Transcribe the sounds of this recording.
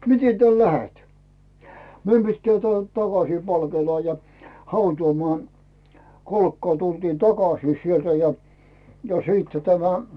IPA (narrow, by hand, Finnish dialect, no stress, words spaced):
mite tæl læhet meim pitːæː tĕæˑlt tɑkɑsiː pɑlkeːlɑː jɑ hɑutuːmoɑˑn kolkːɑː tultiːn tɑkɑsiː sieltæ jɑ siːtːæ tæmæ